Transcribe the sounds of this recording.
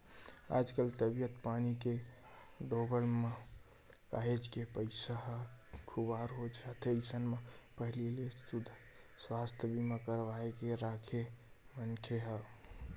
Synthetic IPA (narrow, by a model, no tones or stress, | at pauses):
a̰d͡ʒkəlt̪əbijət̪panike | ɖoɡəlme | ka̰ɦed͡ʒkepəɪsaɦəkʰubaɾɦod͡ʒat̪ʰesənmepəɦlilest̪ud̪ʱ | swast̪ʰəbimãkəɾʋaekeɾakʰe | mənkʰeɦə